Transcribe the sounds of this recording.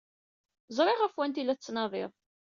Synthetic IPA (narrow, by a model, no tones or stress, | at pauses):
zˤɾˤɪʁæfwænt̪ilːæt͡sːnɑðˤɪðˤ